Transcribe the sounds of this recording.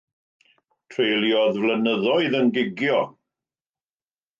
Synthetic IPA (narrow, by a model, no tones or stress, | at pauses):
tʰrejlˠjɔðvlənəðɔɨðənɡɪɡjɔ